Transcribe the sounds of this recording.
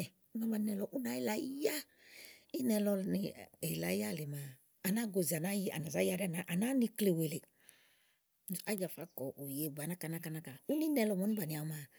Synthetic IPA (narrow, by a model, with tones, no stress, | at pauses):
ɛ˨˦ma˦ba˧˦nɛ˧lɔ˨ʔu˦na˦i˦la˨˦ja˦ | i˦nɛ˧lɔ˧ni˨e˨la˨˦ja˦˨le˨maː˨ | na˦ɡo˨zi˨a˨na˦ja̰˨na˨za˦ja˨ɾɛ˦˨na˨˦ʔa˨na˦ni˧kle˨we˨le˨˦˨ | a˦d͡ʒa˨fa˨˦kɔ˨ʔu˨je˨ɡ͡ba˨na˦ka˨na˦ka˨na˦ka˨u˦ni˦nɛ˦˧lɔ˧˨mɔ˨˦ni˦ba˨ni˨a˨˦ma˨